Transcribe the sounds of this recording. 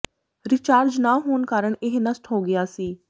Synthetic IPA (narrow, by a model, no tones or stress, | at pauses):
ɾɪt͡ʃaːɾd͡ʒnaːɦoːnkaːɾəɳɪɦnəsʈɦoːɡɪaːsiː